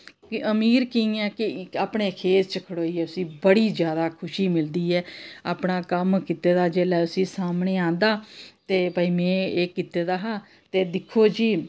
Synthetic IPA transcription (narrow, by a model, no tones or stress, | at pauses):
kəmiːɾkiĩːɛ̃ːkɪaːpɳeːkʰeːt̪t͡ʃəkʰəɽoːiːɛːʊsĩːbəɽiːzjaːd̪aːkʰʊʃiːmɪld̪iːɛːaːpɳaːkəmkit̪eːd̪aːd͡ʒeːlɛːʊsĩːsaːmɳeːãːnd̪aːt̪eːbaiːmɛ̃ːeːkit̪eːd̪aːɦãː | t̪eːd̪ɪkʰːoːd͡ʒiː